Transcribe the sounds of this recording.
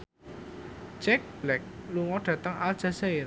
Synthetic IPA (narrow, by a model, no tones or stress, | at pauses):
d͡ʒɛk̚b̥lɛk̚luŋɔɖ̥ä̤t̪əŋald̥ʒ̥a̤saɪɾ